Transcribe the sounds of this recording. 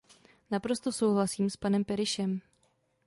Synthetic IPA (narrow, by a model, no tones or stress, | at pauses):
napɾo̞st̪o̞so̞wɦlasiːmspanɛmpɛɾɪʃɛm